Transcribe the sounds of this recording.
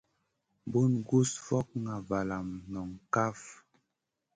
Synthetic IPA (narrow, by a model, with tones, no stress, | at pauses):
bu˦nɡu˦sfɔ˦k̚ŋa˨va˨la˨mnɔ˨ŋka˦f